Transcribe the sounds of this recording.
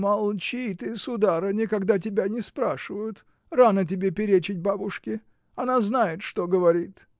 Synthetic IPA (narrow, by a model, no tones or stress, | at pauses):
mɐlˠt͡ɕit̪ɨsʊd̪aɾənʲɪkɐɡd̪atʲɪbʲanʲɪspɾaʂɨvəjʊt̪ | ranət̬ʲɪbʲepʲɪɾʲet͡ɕɪt̚ʲbabʊʂkʲɪ | ɐnaznajɪt̪ʂt̪oɡəvɐɾʲit̪